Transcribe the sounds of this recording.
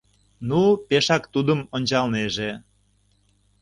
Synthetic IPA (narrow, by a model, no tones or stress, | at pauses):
nupeʃɑkt̪ud̪əmonʲt͡ɕɑlneʒe